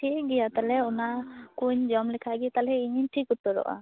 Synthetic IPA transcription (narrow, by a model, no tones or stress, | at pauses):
ʈʰiɡɛjat̪alɛɔnakuɲd͡ʒɔmlɛkʰaɡit̪alɛiɲiɲʈʰikut̪ɔɾɔ̰ʔa̰